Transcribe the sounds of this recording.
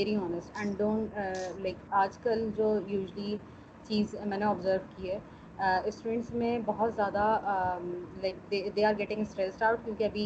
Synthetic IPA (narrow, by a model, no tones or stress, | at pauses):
ɛɾiɔːnəsʈɛ̃ɳɖõːɳʈːlaɪkaːd͡ʒkəld͡ʒoːjuːʒəli | t͡ʃiːzmɛ̃ːneɔːbzəɾʋkiɦɛː | ɪsʈɾẽːɳʈsmẽbɔɦɔt̪zjaːd̪a | laɪk̚d̪eːd̪eːaːɾɡɛʈɪ̃ŋəsʈɾɛsʈaʊʈ̚kjõːkiɐbʱi